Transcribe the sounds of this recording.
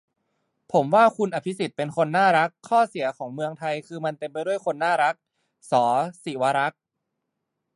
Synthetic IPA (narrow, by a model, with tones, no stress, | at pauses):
pʰo˩˦mwaː˥˩kʰu˧nʔa˨˩pʰi˦˥si˨˩t̪̚pe˧nkʰo˧nːaː˥˩ɾa˦˥kʰːɔː˥˩si˩˦ɐkʰɔː˩˦ŋmɯ˧əŋt̪ʰa˧jkʰɯː˧ma˧nt̪e˧mpa˧jdu˥˩əjkʰo˧nːaː˥˩ɾa˦˥k̚ | sɔː˩˦si˨˩˦wa˧ɾa˦˥k̚